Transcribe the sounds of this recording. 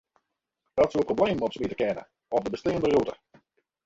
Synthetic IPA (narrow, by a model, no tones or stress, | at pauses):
d̥ɑtsuəprowblejmɔpsəmitəkɛnə̰ | ɔp̚dəbəsteːəndərutə